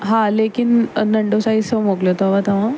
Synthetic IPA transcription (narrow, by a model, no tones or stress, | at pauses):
ɦãlekinənəɳɖosaisəmoɡlot̪oaʋat̪aʋã